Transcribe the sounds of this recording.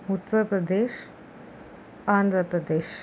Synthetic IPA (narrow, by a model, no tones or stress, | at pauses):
ut̪ːəpɾəd̪eɕ | and̪ʱɾəpɾəd̪eɕ